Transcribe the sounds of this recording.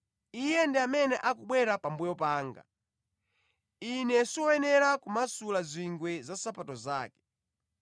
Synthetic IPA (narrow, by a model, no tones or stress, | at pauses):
ijɛndɛamɛnɛʔakuɓwɛɾapambujɔpaːŋɡa̰ | inɛsiɔwɛnɛɾakumasulazʷiŋɡwɛzasapatɔzaːkɛ̥